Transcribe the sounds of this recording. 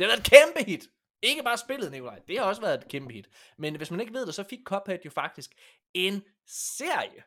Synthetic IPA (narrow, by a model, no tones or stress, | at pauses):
e̝hɑʋæɐðˠkʰemb̥əhid̥ | e̝ɡ̥əb̥ɑ̈ːsb̥e̝ləð̩ˠnikʰo̝lɑ̈ɪd̥e̝hɑ̈ɒ̽səʋæːɐðˠed̚kʰemb̥əhid̥menʋe̝smæne̝ɡ̥ʋe̝ð̞̰ˠd̥esɒ̽fiɡ̥̚kʰɒ̽b̥æd̥jo̝fɑ̈ɡ̥d̥isɡ̥ | e̝n | se̝ɐ̰jə